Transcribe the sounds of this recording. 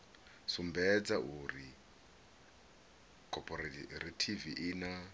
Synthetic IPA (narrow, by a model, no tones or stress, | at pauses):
sumbɛd͡zaʔuːɾi | kʰɔpʰʼɔɾratʰiviʔina